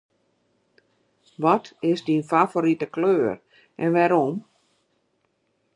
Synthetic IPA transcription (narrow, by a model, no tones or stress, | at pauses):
ʋɔtʰɪsdinfafoɾitəkløːr | ʔɛnʋɛɾom